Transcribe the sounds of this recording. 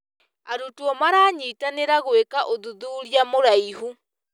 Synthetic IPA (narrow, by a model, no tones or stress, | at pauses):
aɾutuɔmaɾaːɲiːtaneɾaɣwekaʔoðuðuːɾiamoɾaiɦu